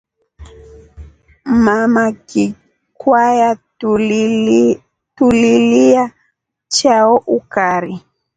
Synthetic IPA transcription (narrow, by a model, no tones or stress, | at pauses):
mamaki | kwaja | tulilia | t͡ʃaɔʔukaɾi